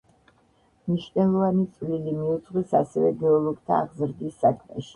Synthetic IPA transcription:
mniʃnɛlˠɔvanit̪sʼlilimiud̪zʼʁwisasɛvɛɡɛɔlˠɔɡ̚t̪ʰaːʁzɾd̪isːakʰmɛ̰ʃi̥

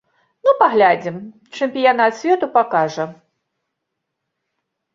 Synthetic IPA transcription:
nupaɣlʲad͡zʲim | t͡ʂɨmʲpʲijanat̪sʲvʲɛt̪upakaʐɐ

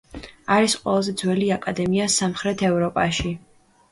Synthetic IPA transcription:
aɾisqʼwɛ̰lˠazɛd̪zwɛliakʼad̪ɛmiasamχɾɛt̪ʰɛvɾɔpʼaʃi

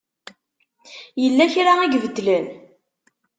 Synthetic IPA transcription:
jəlːæçɾaæɡvəd̪ːlən

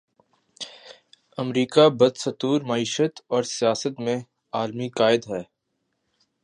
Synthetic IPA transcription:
ɐmɾiːkabɐd̪sɐt̪uːɾmaiːʃət̪ɔːɾsijaːsət̪mẽ | aːlmikaːɪd̪ɦɛː

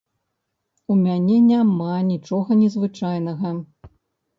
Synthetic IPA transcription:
umʲanʲɛnʲamanʲit͡ʂɔɣɐnʲɛzvɨt͡ʂajnɐɣɐ

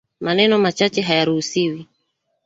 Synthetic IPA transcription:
manɛnɔmat͡ʃat͡ʃɛɦajaɾuusiwi

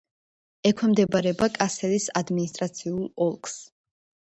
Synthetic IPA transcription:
ɛkʰwɛmd̪ɛbaɾɛbakʼasɛlisad̪minist̪ʼɾat̪sʰiulˠɔlˠkʰʼs

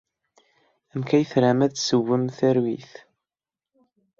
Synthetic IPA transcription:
æmkæjθɾæmæðsəwːəmθæɾwiθ

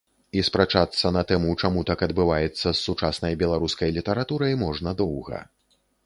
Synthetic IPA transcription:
ispɾat͡ʂat̪sːɐnɐt̪ɛmut͡ʂamut̪akɐd̪bɨvajɛt̪sːɐsːut͡ʂasnɐjbʲɛlˠaɾuskɐjlʲit̪ɐɾat̪uɾɐjmɔʐnɐd̪ɔwɣɐ̰

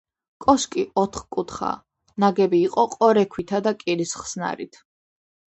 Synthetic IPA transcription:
kʼɔskʼiʔɔt̪ʰχkʼut̪ʰχa̰ | naɡɛbiːqʼɔqʼɔɾɛkʰwit̪ʰad̪akʼiɾisχsna̰ɾit̪ʰ

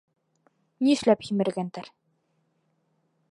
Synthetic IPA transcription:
niɘ̆ʃlæphimɘ̆ɾɡænt̪æɾ

